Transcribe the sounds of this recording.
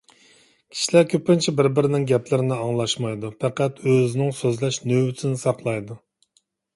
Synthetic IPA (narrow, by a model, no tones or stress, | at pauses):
kʲʰi̥ʃilæɾkʲʰøpɪnt͡ʃʰibɪɾbɪɾɪnɪŋɡʲɛplɪɾɪnɪɑŋlˠɑʃmɑjd̪upʰɛqæt̪øzɪnɪŋsøzlɛʃnøwsʰɪnɪsɑɾqlˠɑjd̪u